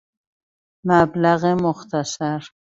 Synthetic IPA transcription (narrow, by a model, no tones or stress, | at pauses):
mablaɣemʊxt̪asaɾ